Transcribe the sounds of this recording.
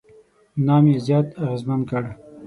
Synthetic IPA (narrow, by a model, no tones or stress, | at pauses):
nɑːmjezjɑːt̪aɣezmankəɽ